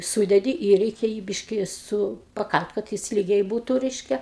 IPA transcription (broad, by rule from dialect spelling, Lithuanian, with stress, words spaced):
ˈsuːdʲɛdʲɪ ɪr ˈrʲɛɪkʲɛ jiː ˈbʲɪʃʲkʲɪ ˈsʊ pɐˈkɐlʲtʲ kɐt ˈjɪs ˈlʲiːɡʲɛɪ ˈbuːtʊ ˈrʲɛɪʃʲkʲɛ